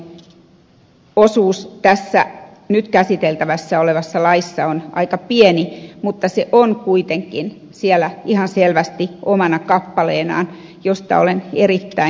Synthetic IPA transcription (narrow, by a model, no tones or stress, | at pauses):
osuːst̪æsːæ̰ | nyt̪kæsit̪elt̪æʋæsːæoleʋɑsːɑlɑisːɑonʔɑ̰ikɑpienimut̪ːɑseʔonkuit̪eŋkˑin | sielæihɑnselʋæst̪iʔomɑnɑkɑpːɑleːnɑ̰ːn | jost̪ɑ̰o̰lenerit̪ːæi